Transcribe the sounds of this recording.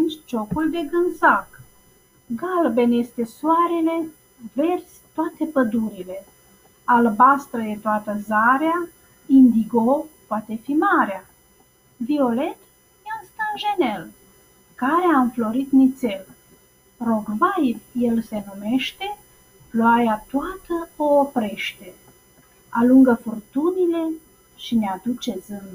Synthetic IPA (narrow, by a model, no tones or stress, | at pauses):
nt͡ʃt͡ʃo̞kuld̪e̞ɡɨnzak | ɡalbe̞nje̞st̪e̞soaɾele̞ | ve̞rsʲt̪oat̪e̞pəd̪uɾile̞ | albast̪ɾəjet̪oat̪əzaɾea | ind̪iɡopoat̪e̞fimaɾea | vio̞le̞t̪ | jeanst̪anʒene̞l | kaɾeamflo̞ɾit̪mit̪se̞l | roɡvajvje̞lse̞nume̞ʃt̪e̞ | ploaɾjat̪oat̪əoːpɾeʃt̪e | aluŋɡəfurt̪unile̞ | ʃinead̪ut͡ʃe̞zɨnd̪